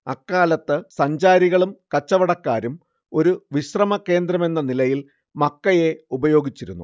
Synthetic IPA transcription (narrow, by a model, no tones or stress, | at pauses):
ɐkːaːlɐt̪ːɨsɐɲd͡ʑaːɾiɣɐɭumkɐt͡ɕːɐʋɐɽɐkːaːɾum | o̞ɾuʋiɕrɐmɐkːe̞ːnd̪ɾɐme̞nːɐnilɐjil | mɐkːɐje̞ubɐjo̞ːɡit͡ɕːiɾunːṵ